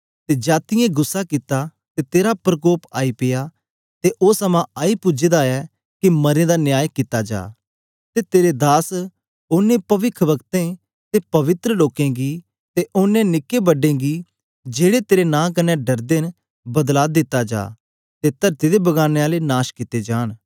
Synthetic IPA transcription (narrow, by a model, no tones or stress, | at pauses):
t̪ed͡ʒaːt̪ɪjẽɡʊsːakɪt̪a | t̪et̪eːɾapɾəkoːpaːipɪjaː | t̪eʔoːsɐmãaːipʊd͡ʒeːd̪aɛː | kimɐɾẽd̪anjaːjkɪt̪ːad͡ʒa̰ː | t̪et̪eːɾed̪aːs | ʊnːẽpɐʋɪkʰʋɐkt̪ẽ | t̪eːpɐʋɪt̪ɾəloːkẽːɡiː | t̪eʔʊnːẽnɪkːebɐɖẽːɡi | d͡ʒeːɽet̪eːɾenãːk̬ɐnɛɖɐɾd̪eːn | bɐd̪laːd̪ɪt̪ːad͡ʒa̰ː | t̪et̪ɐɾt̪id̪ebɐɡaːneaːlenaːʃkɪt̪ːed͡ʒaːɽ̃